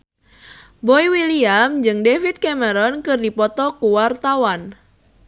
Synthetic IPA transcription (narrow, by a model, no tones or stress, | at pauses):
boiwiliamd͡ʒɨŋdefit̪̚kɛməɾɔnkɨrdipɔt̪ɔkuwart̪awan